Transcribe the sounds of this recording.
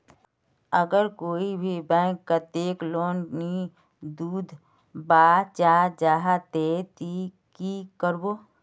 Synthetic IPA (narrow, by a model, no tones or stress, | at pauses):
əɡəɾkoːibʱibɛ̃ːŋkːat̪eːkloːnni | d̪uːd̪ʱ | baːt͡ʃaːd͡ʒaːɦat̪et̪i | kikəɾboː